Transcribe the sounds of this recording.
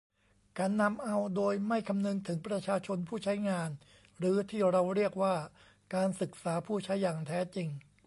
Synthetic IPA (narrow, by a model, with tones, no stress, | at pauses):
kaː˧nːa˧mʔa˧wdoː˧jma˥˩jkʰa˧mnɯ˧ŋt̪ʰɯ˩˦ŋpɾa˧t͡ɕʰaː˧t͡ɕʰo˧npʰuː˥˩t͡ɕʰa˦˥jŋaː˧n | ɾɯː˩˦t̪ʰiː˥˩ɾa˧wɾi˥˩ək̚waː˥˩ | kaː˧nsɯ˨˩k̚saː˩˦pʰuː˥˩t͡ɕʰa˦˥jːaː˨˩ŋt̪ʰɛː˦˥t͡ɕi˧ŋ